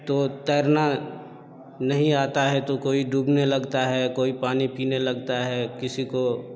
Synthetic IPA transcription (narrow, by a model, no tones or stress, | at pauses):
t̪oːt̪ɛːɾna | nɐɦĩaːt̪aɦɛt̪okoːiɖʱuːbnelɐɡt̪aɦɛkoːipaːnipiːnelɐɡt̪aɦɛkɪsiko